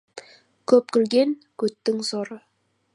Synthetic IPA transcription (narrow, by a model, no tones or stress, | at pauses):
kʲʰɵp̚kʲɪ̆lɡʲe̞ŋkɵt̪ːɪŋsoɾə